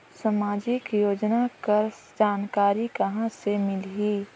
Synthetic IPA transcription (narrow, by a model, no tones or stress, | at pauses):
sɐmaːd͡ʒɪkjoːd͡ʒnakɐɾ | d͡ʒaːnkaːɾikɐɦãsemɪlɦiː